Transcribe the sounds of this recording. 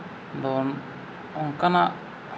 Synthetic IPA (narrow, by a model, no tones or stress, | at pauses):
ndɔn | ɔŋkana